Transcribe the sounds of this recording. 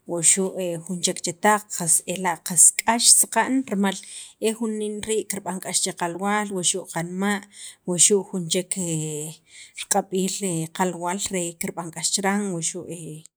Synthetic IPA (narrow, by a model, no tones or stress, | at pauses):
waʃuʔexunt͡ʃekt͡ʃet̪aq͡χqaselaʔqaskʼaʃsaqaʔnɾmalexunːinɾiːʔkiɾɓaŋkʼaʃt͡ʃeqalwaːlwaʔʃuʔqanmaʔwaʃuʔxunt͡ʃekʰe | ɾqʼaɓiːleqalwaːlɾekiɾɓaŋkʼaʃt͡ʃɾaŋwaʔʃuʔe